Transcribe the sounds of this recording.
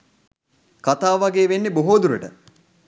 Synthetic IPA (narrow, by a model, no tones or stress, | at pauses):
kat̪aːʋɐɡeːʋenːeboɦoːd̪uɾəʈə